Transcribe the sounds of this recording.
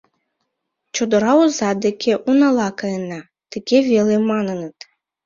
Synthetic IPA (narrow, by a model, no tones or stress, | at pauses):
t͡ɕod̪ɤ̆ɾɑuzɑd̪ekʲʰeʔunɑlˠɑkɑjənɑ | t̪ɨɡʲevʲelemɑnɤnət̪